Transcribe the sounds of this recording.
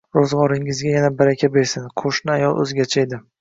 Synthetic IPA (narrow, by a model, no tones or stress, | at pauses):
ɾozʁɒɾɪŋɪzɡʲajanabaɾakʲʰabe̞ɾsɪnqʰoʃnɪajɒlˠʔɵ̰zɡʲat͡ʃʰaed̪ɪ